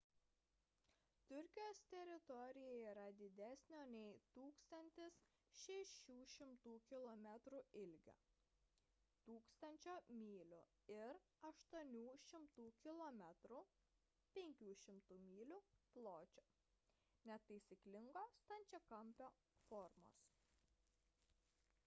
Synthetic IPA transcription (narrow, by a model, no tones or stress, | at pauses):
t̪ʊɾʲkʲɪjoːst̪ʲɛɾʲɪt̪ɔɾʲɪjɛiːɾɐd̪ʲɪd̪ʲæsʲnʲoːnʲɛɪt̪uːkst̪ɐnʲt̪ʲɪs | ʃʲɛʃʲuːʃʲɪmt̪uːkʲɪlˠɔmʲɛt̪ɾuɪlʲɡʲo̰ː | t̪uːkst̪ɐnʲt͡ʃʲoːmʲiːlʲʊ̰ | ɪɾɐʃt̪uɔnʲuːʃʲɪmt̪uːkʲɪlˠɔmʲɛt̪ɾu | pʲɛŋʲkʲuːʃʲɪmt̪uːmʲiːlʲʊplˠoːt͡ʃʲoː | nʲɛt̪ɐɪsʲiklʲɪŋɡoːst̪ɐnʲt͡ʃʲoːkɐmʲpʲoː | fɔːɾmo̰ːs